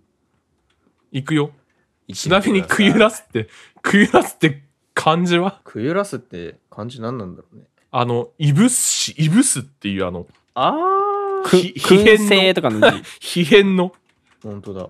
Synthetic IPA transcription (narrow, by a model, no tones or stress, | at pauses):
ikɯ̟jo̞ | t͡ɕinamʲiɲ̟ikʰɯ̟jɯ̟ɾasɨ̥t̪ːe̞ | kʰɯ̟jɯ̟ɾasɨ̥t̪ːe̞ | kʰãɲ̟d͡ʑiβakʰɯ̟jɯ̟ɾasɨt̪ːe̞̰kʰãɲ̟d͡ʑinãnːãnd̪aɾone | ano̞ibɯ̟sɕiʔibɯ̟sɨt̪ːe̞iɯ̟ːa̰no̞ | a | içihẽnːeːt̪okanoçiɦẽ̞nːo̞ | hõnt̪od̪a̰